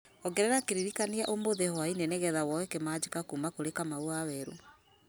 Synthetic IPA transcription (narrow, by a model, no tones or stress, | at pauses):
ɔɡɛɾɛɾakeɾiɾikaniaʔomoðehɔaineneɣɛðawɔwɛkemad͡ʑikakumakoɾekamauawɛɾo